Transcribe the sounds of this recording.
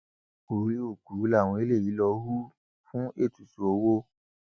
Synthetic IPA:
o˨ɾi˦o˦˨ɡu˨˦la˦˨w̃ɔ̃˧e˦le˦˨ji˨˦lɔ˧˦ɦu˦ | fũ˦e˦˨tu˨su˨o˧˦wo˦

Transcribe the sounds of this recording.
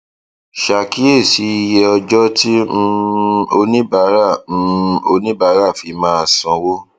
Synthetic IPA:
ʃa˨ki˦e˦˨si˨˦i˧jɛ˧ɔ˧d͡ʒɔ˦tĩ˦˧o˧nĩ˦ba˨˦ɾa˦˨˧ | o˧nĩ˦ba˨˦ɾa˦˨fi˨˦mãː˦˧sɔ̃˧wo˦

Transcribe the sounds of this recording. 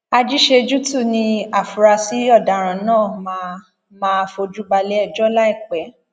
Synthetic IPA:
a˧d͡ʒi˦ʃe˧d͡ʒu˦tu˦˨nĩ˧a˨fu˨ɾa˧si˦ɔ˦˨da˨ɾ̃ã˨nãː˦˨ma˧ | mãː˦˧fo˧d͡ʒu˦ɡ͡ba˧lɛ˦ɛ˦˨d͡ʒɔ˦la˦i˦˨k͡pɛ˨˦

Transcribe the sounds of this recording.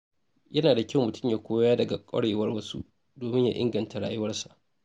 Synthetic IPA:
jɐ˦naː˨da˨kʲɪ˦˨mmʊ˨tʰʊ̥˦mja˨kʷoː˦jaː˦dɐ˨ɡa˨kʷʼɐ̰˦ɽeː˨wɐ˦rwɐ˦sṵ˦ʔ | doː˨mɪ˦ɲja̰˨ʔɪ̰˦ŋɡɐ˨nta˨ɽaː˨jʊ˦wɐ˦rsa˨ʔ

